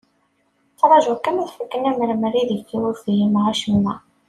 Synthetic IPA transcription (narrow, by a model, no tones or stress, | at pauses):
t͡sɾˤɑʒækːæmæθfəkːənæməɾməriðikːiwəɾfijimʁaʃəmːæ